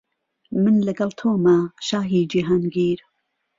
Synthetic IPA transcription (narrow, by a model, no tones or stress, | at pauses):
mɨnlɐɡɐlˠt̪ʰoːmɐʃaːɦiːd͡ʒiːɦaːnɡiːɾ